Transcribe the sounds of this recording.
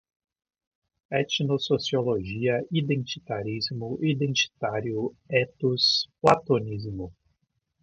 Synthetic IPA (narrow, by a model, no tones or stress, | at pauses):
ɛt͡ʃnososioloʒiɐid̪ẽnt͡ʃit̪aɾizmʊʔid̪ẽnt͡ʃi̥t̪aɾjʊɛt̪ʊsplat̪onizmʊ